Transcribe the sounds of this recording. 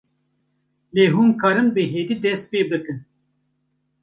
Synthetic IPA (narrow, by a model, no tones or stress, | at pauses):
leːɦumkʰaɾɨnbeɦeːd̪id̪es̚peːb̚d̪ɨkɨn